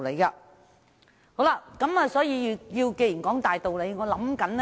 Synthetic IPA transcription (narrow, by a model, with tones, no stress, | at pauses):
le˨˧jkaː˧ | ho˨˥wla˧˥kɐ˨˧˥maː˨˧sɔː˨˥jiː˧ji˧ji˧wke˧ji˨˩nkɔː˨˥ŋt̪aː˨jt̪o˨wle˨˧jŋɔː˨˧lɐ˨˥mkɐ˨˥n